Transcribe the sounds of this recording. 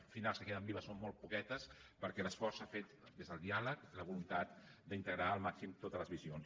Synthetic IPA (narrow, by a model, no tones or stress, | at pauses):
finalˠskəkeðəmbiβəsommɔlˠt̪̚pukɛt̪əspəɾkɛləsfɔɾsafet̪d̪ezðəlˠd̪ialəkləβulunt̪at̪̚d̪əint̪əɣɾaəlˠmaksimt̪ot̪əzləzβizions